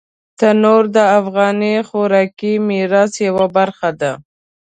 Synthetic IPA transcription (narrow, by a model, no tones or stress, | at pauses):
t̪ənoɾd̪əafɣɑnixoɾɑkimiɾɑsjawabaɾxad̪a